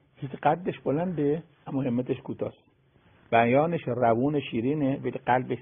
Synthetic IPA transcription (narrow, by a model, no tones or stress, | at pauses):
hisiqæt̪̚d̪eʃbolænd̪e | æmːɔːhemːæt̪eʃkʰuːt̪ʰɒːs | b̥æjɒːneʃrævuːneʃiːɾiːnevæliqælbeʃ